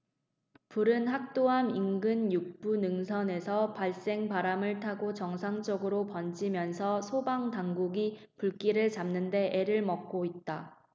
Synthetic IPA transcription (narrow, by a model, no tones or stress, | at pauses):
puɾɯnɦak̚t͈oɦamiŋɡɯnjuk̚p͈unɯŋsʰʌne̞sʰʌpaɭs͈e̞ŋpaɾamɯɭtʰaɡot͡ɕʌŋsʰaŋt͡ɕ͈ʌɡɯɾopʌnd͡ʑimjʌnsʰʌsʰobaŋtaŋɡuɡi | puɭk͈iɾɯɭt͡ɕamnɯnde̞ʔeɾɯɭmʌk̚k͈oit̚t͈a